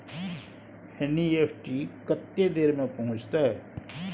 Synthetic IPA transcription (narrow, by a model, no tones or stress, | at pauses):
henieːpʰʈikət̪ːed̪eːɾmẽpɐɦʊ̃t͡ʃt̪aɦɛː